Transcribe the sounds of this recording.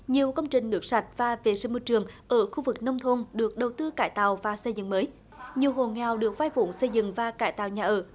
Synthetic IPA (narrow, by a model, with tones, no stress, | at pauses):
ɲi˨˩əwkə˧wŋ͡mt͡ɕï˨˩ŋ̟nɨ˨˦˩ək̚sa˨˩jt̚vaː˨˩vḛ˧˨˩zi˧˩mo˧t͡ɕɨ˨˩əŋʔəː˧˩xu˧vɨ˨˩k̚nə˧wŋ͡mt̪ʰo˧nɗɨ˨˩ək̚ɗə˨˩wt̪ɨ˧kaː˧˩jt̪a̰ː˧˨wvaː˨˩sə˧jzɨ̰˧˨ŋməː˨˦j | ɲi˨˩əwɦo˨˩ŋaː˨˩wɗɨ˨˩ək̚vaː˧jfṵ˧˩ŋsə˧jzɨ̰˧˨ŋvaː˨˩kaː˧˩jt̪a̰ː˧˨wɲaː˨˩ʔəː˧˩